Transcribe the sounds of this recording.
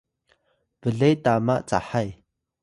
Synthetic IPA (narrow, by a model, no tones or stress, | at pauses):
vəɮejt̪amaʔt͡sa̰ħaj